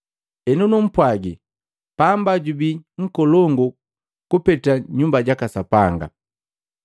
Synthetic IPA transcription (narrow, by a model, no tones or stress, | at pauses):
ɛnunum̩pwaɡi | pambaɟubiŋ̩kɔlɔŋɡɔ | kupɛtaɲumbaɟakasapaŋɡa̰